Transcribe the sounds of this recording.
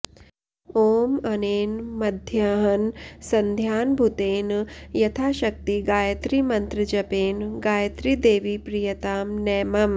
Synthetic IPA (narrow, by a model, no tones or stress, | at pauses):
oːmɐneːnmɐd̪ʱjaɦɐnsɐnd̪ʱjaːnbʱut̪eːnjɐt̪ʰaːʃɐk̚t̪iɡaːjɐt̪ɾimɐnt̪ɾɨd͡ʒɐpeːnɡaːjɐt̪ɾid̪eːʋipɾijɐt̪aːmnɛːmɐm